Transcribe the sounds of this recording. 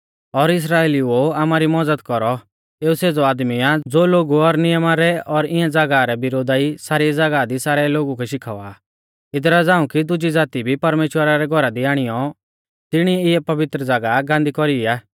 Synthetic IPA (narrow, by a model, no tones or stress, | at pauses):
ɔɾɪs̬ɾaːeːlioaːmaɾimɔd͡zəd̪kɔɾɔ | eːuseːd͡zɔaːd̪miad͡zoːloːɡuɔɾnɪjəmaɾɛɔɾɪ̃ãd͡zɐɡaɾɛbɪɾoːd̪aisaːɾiɛd͡zɐɡad̪isaːɾɛloːɡukɛʃɪkʰaːaː | ɪd̪ɾad͡zaːũkid̪ʊd͡ʒid͡zaːt̪ibʱipɐɾmeːʃwəɾaɾɛɡʱɔɾad̪iaːɽ̃ijɔ | t̪ɪɽ̃iɛɪɛpɐʋɪt̪ɾəd͡zaɡaɡãːnd̪ikɔɾiaː